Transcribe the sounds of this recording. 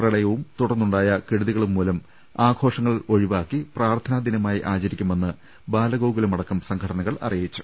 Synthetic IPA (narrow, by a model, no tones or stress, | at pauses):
prɐɭɐjɐʋumt̪uɽɐrnːuɳɖaːjɐkiɽuðiɣɐɭumːuːlɐm | aːɡʰo̞ːʂɐŋːɐɭo̞ɻiʋaːkːipraːrt̪ʰɐnad̪inɐmaːjiʔaːt͡ɕɐɾikʲːume̞nːɨ | baːlɐɣoːɡilemɐɽɐkːɐmsɐŋɡʰkʰɐɽɐnɐɣɐɭɐ̰rijit͡ɕːu̥